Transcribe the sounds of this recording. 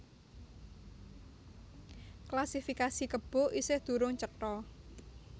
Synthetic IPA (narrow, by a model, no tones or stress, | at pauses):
klasifikasikəb̥ɔ̤ʔisɪhd̪̥ṳɾʊŋt͡ʃəʈɔ